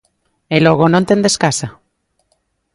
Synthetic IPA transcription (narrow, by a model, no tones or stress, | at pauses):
eloɣ̞onõnt̪end̪eskasa